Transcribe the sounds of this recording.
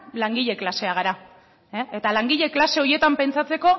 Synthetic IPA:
laŋɡiʎe̞klase̞aɣ̞aɾa | eet̪alaŋɡiʎe̞klase̞o̞je̞t̪ampe̞nt͡sat͡se̞ko̞

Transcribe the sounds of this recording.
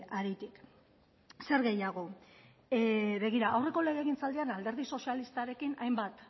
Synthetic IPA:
aɾit̪ik | se̞ɾɣe̞jaɣ̞o̞ | βe̞ɣ̞iɾaʔawre̞ko̞le̞ɣe̞ːɣint͡sald̪ianald̪e̞ɾð̞iso̞sialist̪aɾe̞kinajmbat̪

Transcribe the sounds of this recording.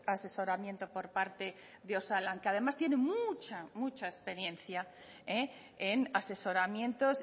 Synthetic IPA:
ase̞so̞ɾamjent̪o̞po̞ɾpaɾt̪e̞ | ðeo̞salaŋkeað̞e̞mast̪je̞ne̞mut͡ʃamut͡ʃaespe̞ɾje̞nθja | e | enase̞so̞ɾamjẽ̞nt̪o̞s

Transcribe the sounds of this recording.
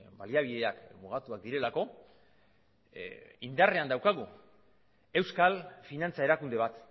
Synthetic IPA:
baliaβ̞iðe̞akmuɣ̞at̪uak̚d̪iɾe̞lako̞ | ind̪are̞and̪awkaɣ̞u | e̞wskalfinant͡sae̞ɾakund̪e̞β̞at̪

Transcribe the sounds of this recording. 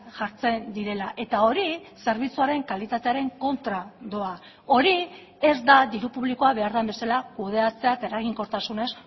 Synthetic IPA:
ʝaɾt͡se̞nd̪iɾe̞laʔe̞t̪ao̞ɾise̞ɾβ̞it͡suaɾe̞ŋkalit̪at̪e̞aɾe̞ŋko̞nt̪ɾad̪o̞a | o̞ɾi | e̞zd̪ad̪iɾupuβliko̞aβe̞aɾðambe̞salakuð̞e̞at͡se̞aet̪ae̞ɾaɣ̞iŋko̞ɾt̪asune̞s

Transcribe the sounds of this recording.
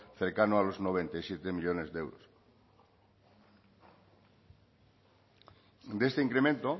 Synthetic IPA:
θe̞ɾkanoalo̞zno̞β̞e̞nt̪ajsjet̪emiʎo̞ne̞zðee̞wɾos | d̪est̪eiŋkɾemẽ̞nt̪o

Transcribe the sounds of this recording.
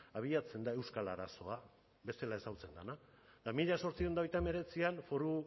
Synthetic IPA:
aβ̞iat͡se̞nd̪ae̞wskala̰ɾaso̞a | be̞st̪e̞lae̞sawt͡se̞nd̪ana | d̪amiʎaso̞ɾt͡sio̞nd̪aojt̪ame̞ɾe̞t͡sianfo̞ɾu

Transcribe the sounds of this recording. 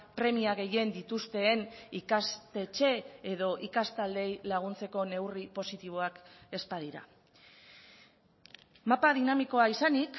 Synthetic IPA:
pɾe̞miaɣ̞e̞je̞nd̪it̪ust̪e̞ːnikast̪e̞t͡ʃe̞eðo̞ʔikast̪ald̪e̞jlaɣ̞unt͡se̞ko̞ne̞wripo̞sit̪iβ̞o̞ake̞spaðiɾa̰ | mapaðinamiko̞aisanik

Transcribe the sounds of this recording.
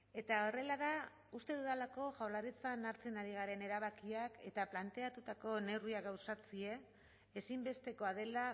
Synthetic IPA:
e̞t̪ao̞re̞lað̞a | ust̪e̞ðuðalako̞ʝawlaɾit͡sanaɾt͡senaɾiɣ̞aɾe̞ne̞ɾaβ̞akiake̞t̪aplant̪e̞at̪ut̪ako̞ne̞wriaɣawsat͡sie̞ː | simbe̞st̪e̞ko̞aðe̞la

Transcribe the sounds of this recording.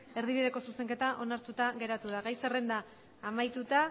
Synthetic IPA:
e̞ɾðiβ̞ið̞e̞ko̞suse̞ŋke̞t̪aʔo̞naɾt̪ut̪aɣe̞ɾat̪uð̞aɣajsere̞nd̪aː | majt̪ut̪a

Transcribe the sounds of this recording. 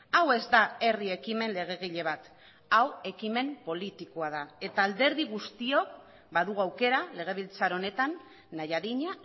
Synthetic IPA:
awe̞zd̪ae̞riekime̞nle̞ɣ̞e̞ɣ̞iʎe̞β̞at̪ | awe̞kime̞mpo̞lit̪ikoaðae̞t̪aːld̪e̞ɾðiɣ̞ust̪io̞k̚ | baðuɣuawke̞ɾale̞ɣ̞e̞β̞ilt͡saɾo̞ne̞t̪anː | ajaðiɲa

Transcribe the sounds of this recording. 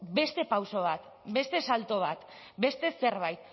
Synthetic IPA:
be̞st̪e̞pawso̞β̞at̪ | be̞st̪e̞salt̪o̞β̞at̪ | be̞st̪e̞se̞ɾβ̞ajt̪̚

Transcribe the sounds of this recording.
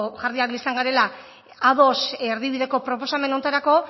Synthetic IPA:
ʝaɾðiaklisaŋɡaɾe̞la | aðo̞seɾðiðiɾe̞ko̞pɾo̞po̞same̞no̞nt̪aɾako̞

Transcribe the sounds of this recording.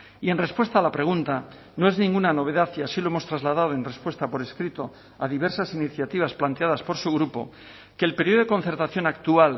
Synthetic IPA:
ie̞nre̞spwe̞st̪aːlapɾe̞ɣ̞unt̪a | no̞eznĩŋɡunano̞β̞e̞ðaθiasilo̞emo̞st̪ɾazlaðað̞oenre̞spwe̞st̪apo̞ɾeskɾit̪o̞ | aðiβ̞e̞ɾsasiniθjat̪iβ̞asplant̪eaðaspo̞ɾsuɣ̞ɾupo̞̰ | keːlpe̞ɾiekon̟θe̞ɾt̪aθjo̞nakt̪ual

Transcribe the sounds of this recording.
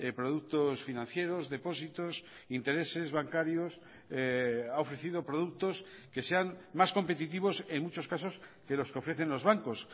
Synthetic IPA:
epɾoðuk̚t̪osfinãn̟θje̞ɾo̞zðe̞po̞sit̪os | int̪e̞ɾe̞se̞zβaŋkaɾjos | aofɾe̞θið̞o̞pɾoðuk̚t̪o̞ske̞se̞aŋmasko̞mpet̪it̪iβ̞o̞se̞ŋmut͡ʃo̞skaso̞ske̞lo̞skeo̞fɾe̞θe̞nlo̞zβaŋkos

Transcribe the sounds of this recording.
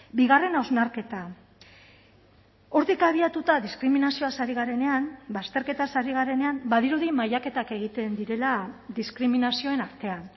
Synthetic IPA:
biɣare̞nawzmaɾke̞t̪a | o̞ɾt̪ikaβ̞iat̪ut̪aðiskɾiminasio̞asaɾiɣaɾe̞ne̞anbast̪e̞ɾke̞t̪asaɾiɣ̞aɾe̞ne̞ambaðiɾuðimajake̞t̪ake̞ɣ̞it̪e̞nd̪iɾe̞lad̪iskɾiminasio̞e̞naɾt̪e̞an

